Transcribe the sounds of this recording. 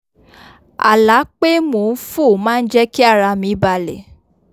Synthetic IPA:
a̰˨la˨˦k͡pe˦mo˨n̩˦fo˦˨mãː˦˧n̩˦d͡ʒɛ˦ki˦a˦˨ɾa˧mĩ˨˧˦ba˧lɛ̰˨

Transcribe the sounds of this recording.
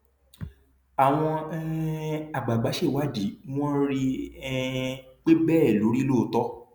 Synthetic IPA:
a˨w̃ɔ̃˧ | a˨ɡ͡ba˨ɡ͡ba˨˦ʃe˦˨wa˦di˨˦w̃ɔ̃˦ɾi˦ɛ˦k͡pe˦bɛː˦˨lo˨˦ɾi˦lo˦˨˦tɔ˦

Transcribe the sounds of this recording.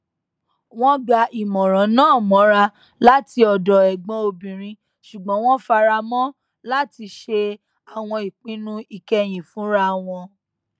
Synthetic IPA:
w̃ɔ̃˦ɡ͡ba˧ʔi˨mɔ̃˨ɾ̃ã˨˦nãː˦˨mɔ̃˨˦ɾa˧ | la˦ti˧ɔ˨dɔ˨ɛ˨ɡ͡bɔ̃˧˦o˧bĩ˨ɾ̃ĩ˧ | ʃu˨ɡ͡bɔ̃˨˦w̃ɔ̃˦fa˧ɾa˧mɔ̃˦ | la˦ti˧ʃe˧ | a˨w̃ɔ̃˧i˨k͡pĩ˦nũ˦i˦˨kɛ˧j̃ĩ˨fũ˨˦ɾa˦w̃ɔ̃˧

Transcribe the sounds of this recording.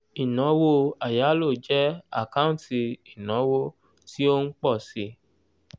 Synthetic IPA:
i˨nɔ̃˨˦wo˧a˨ja˨˦lo˦˨d͡ʒɛ˦a̰˦˨kã˦ti˧i˨nɔ̃˨˦wo˦ | ti˦o˦ŋ̩˦k͡pɔ˦˨si˧

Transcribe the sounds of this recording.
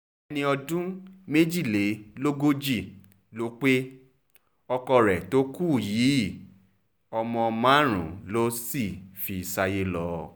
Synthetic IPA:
nĩ˧ɔ˧dũ˦me˦d͡ʒi˦˨le˨˦lo˦ɡo˦d͡ʒi˦˨ | lo˦k͡pe˦ | ɔ˧kɔ˧ɾɛ˨to˦ku˦˨jiː˨˦ | ɔ˧mɔ̃˧mã˦˨ɾ̃ṵ̃˨lo˦si˦˨fi˧˨sa˧je˦lɔ˦

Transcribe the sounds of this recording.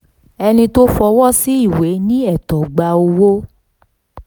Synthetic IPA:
ɛ˧nĩ˧to˦fɔ˧wɔ˦˨si˦i˦˨we˨˦nĩ˦ɛ˦˨tɔ˨ɡ͡ba˧o˧wo˦

